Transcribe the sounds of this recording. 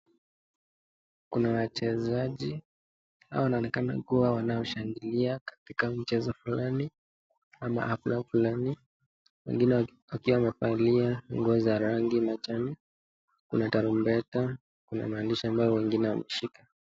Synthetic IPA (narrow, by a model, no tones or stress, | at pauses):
kunawat͡ʃɛzaʄi | ha̰wawanaɔnɛkana̰kuawanaɔʃaŋɡiliakḁtikam̩t͡ʃɛzɔfulani | ama̰ʔaflafulani | wɛ̰ŋɡinɛwakiwamɛfaliaŋɡɔziaɾaŋɡimat͡ʃani | kunataɾumbɛta | kuna̰maːndiʃiambaɔwɛŋɡinɛwamɛʃika